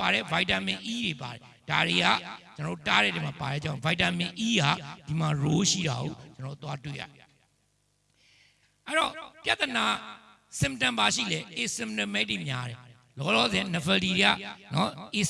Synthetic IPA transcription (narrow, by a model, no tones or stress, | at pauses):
aɾɛ̰vaɪtamɪ̃ʔiɾepa̰ɾɛ | d̥aɾeɡa̰t͡ɕənɔo̰taɾɛ̰ɾɛmapa̰ɾɛ̰t͡ɕãʊ̃vaɪtãmɪ̃ʔiɡad̥imaɹoʃḭɾa̰ɦo̰t͡ɕənɔo̰t̪watwḛja̰ɛ | ʔɛɾɔpjat̪əna | sɪ̃mptãmbaʃḭlɛʔesɪ̃m̚tɛ̃mɛtemja̰ɾɛ | lɔlɔzɛnəpʰədiɾea̰nɔe